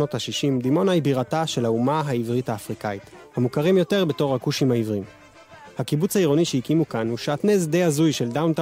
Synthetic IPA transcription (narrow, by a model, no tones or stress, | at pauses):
o̞thaʃiʃimd̪imo̞naibiʁataʃe̞laumaɦaivʁithaːfʁikait | hamukaʁimjo̞te̞ʁbe̞to̞ʁhakuʃimhaivʁim | hakibut͡shaiʁo̞niʃeikimukanuʃaːtnezd̪eazujʃe̞ldawnta